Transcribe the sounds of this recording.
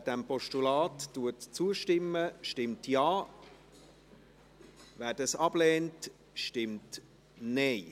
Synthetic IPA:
d̥ɛmpʰɔʃtulɑːtːuətt͡suəʃtɪmːəʃtɪmtjɑː | væːdɑsɑb̥leːnt | ʃtɪmt | neɪ

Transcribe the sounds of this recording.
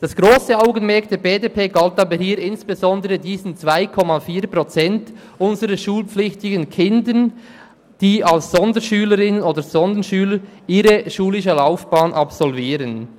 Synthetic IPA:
d̥ɑsɡ̥ɾoːsəaʊɡənmɛɐk̚d̥eːɾbeːdeːpʰeːɡaltɑːbəhiːɾɪnsb̥ezɔndəɾədiːzən̩t͡sv̥aɪkʰɔmafiːɾpʁɔt͡sɛnt | ʔʊnzəɾəʃuːlpp͡flɪçtɪɡənkʰɪndən | d̥iːɑlsz̥ɔndəɾʃyːləɾɪnənoːdəɾz̥ɔndənʃyːləɾ | ʔiːɾəʃuːlɪʃəlaʊfb̥ɑːnʔɑpsɔlviːɾən

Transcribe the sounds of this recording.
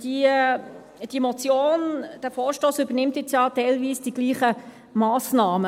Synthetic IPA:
d̥i | d̥imɔt͡sjoːnd̥æfɔːɾʃtoːsybənɪmt̪jɪt͡sjɑtɛɪlʋiːsd̥iɡ̥liːχə | maːsnɑːmə

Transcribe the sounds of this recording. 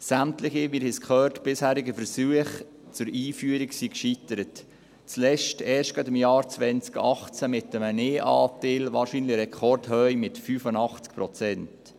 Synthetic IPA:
sæmtlɪχɪmiːɾhɪskʰχœːtb̥ɪshæːɾɪɡəfəɾsyəχ | t͡sʊɾiːfyəɾiksikʃitəɾət | t͡slɛʃtɛːɾʃtɡ̥adɪmjɑːɾt͡svʋɛnt͡skɑχt͡sæmɪtːəməneːʔɑ̰ːtɪːlʋɑːɾʃiːnlɪɾɛkʰχɔrdhœɥmɪtfyːfənɑχt͡skpɾɔt͡sɛnt

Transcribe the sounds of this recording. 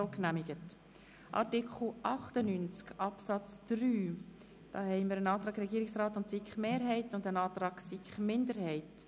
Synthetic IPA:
oknæmɪɡ̥ət | ʔɑ̰ɾtikʰχl̩ʔɑχtənynt͡skɑpsɑt͡sd̥ɾyː | d̥ɑːhɛɪməɾənɑːt̪ɾɑːɡɾɛɡiːɾɪksrɑːtʊntsikχmeːɾɦɛɪtʊndənɑːt̪rɑːksikχmɪndəɾhɛɪt

